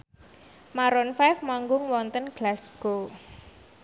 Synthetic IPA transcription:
maɾɔnfajfmaŋɡʊŋwɔnt̪ənɡ̥lasɡ̥o

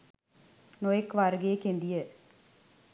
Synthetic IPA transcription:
nojɐkːʋaːɾɡeːkːend̪ɪjɐ

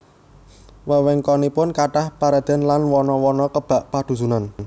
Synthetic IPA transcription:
wəwɛŋkɔnipʊnkaʈahpaɾad̪̥a̤nlanwɔnɔwɔnɔkəb̥a̤ʔpad̪̥ṳsunan

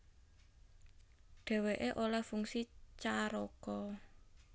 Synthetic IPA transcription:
ɖ̥ɛ̤weʔeʔolahfuŋsit͡ʃaɾokɔ

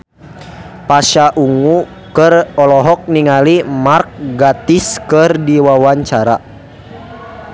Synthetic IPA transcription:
paʃaʔuŋu | kərɔlɔɦɔk̚niŋalimark̚ɡat̪iskɨrdiwawaɲt͡ʃaɾa̰

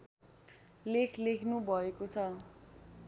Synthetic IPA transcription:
lekʰlekʰnubʱʌekot͡sʰʌ

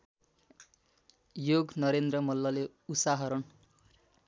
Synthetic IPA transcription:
joɡnʌɾend̪rʌmʌlːʌle | usaɦʌɾʌn

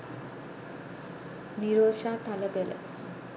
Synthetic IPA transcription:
niɾoːʃaːt̪aləɡelə̰

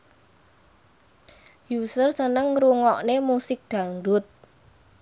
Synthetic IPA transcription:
jusərsənəŋɾuŋɔʔnemusɪk̚d̪̥ä̤ŋɾʊt̪̚

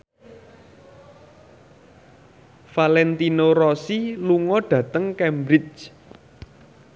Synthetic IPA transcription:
falɛnt̪inoɾɔsiluŋɔɖ̥ä̤t̪əŋkɛmbɾɪt͡ʃ

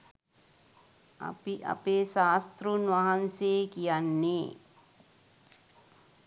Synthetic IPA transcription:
ɐ̰piʔɐ̰peːʃaːst̪ɾunʋɐɦɐnseːkijanːeː

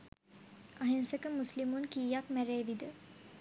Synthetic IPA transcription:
aɦensəkəmuslimunkiːjakmæɾeːʋid̪ə

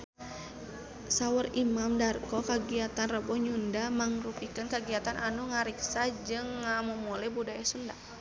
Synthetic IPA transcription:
sawərimamdarkɔkaɡiat̪anrəbɔɲundamaŋrupikənkaɡiat̪anʔanuŋaɾiksad͡ʒɨŋːamumulɛbudajasunda̰

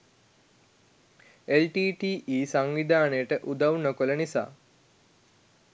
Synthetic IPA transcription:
elʈiːʈiːʔiːsaŋʋid̪aːnəjəʈəʔud̪awnəkolənisa̰ː

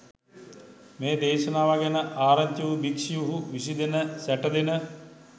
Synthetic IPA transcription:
meːd̪eːʃɐnaːʋaɡenəʔaːɾɐɲt̪juʋubikʂijuɦuʋisid̪enəsæʈəd̪enə

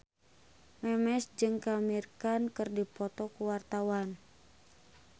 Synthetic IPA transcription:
mɛmɛsd͡ʒɨŋkamirkankɨrdipɔt̪ɔkuwart̪awan

